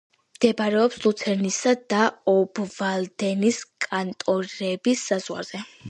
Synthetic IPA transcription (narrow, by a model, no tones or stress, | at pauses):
md̪̥ɛbɾɛɔpslut̪sʰɛɾnisad̪aɔbvald̪ɛniskʼant̪ʼɔɾɛbisːazʁwa̰ɾz̥ɛ